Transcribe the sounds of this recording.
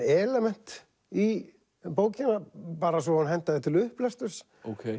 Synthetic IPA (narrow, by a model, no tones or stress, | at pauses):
ɛːlɛmɛn̥t̪ | i | poːwcɪnapaːɾasvɔhanɦɛn̥t̪aðɪht̪ʰɪlʏhplɛst̪ʏɾ̥s | okʰej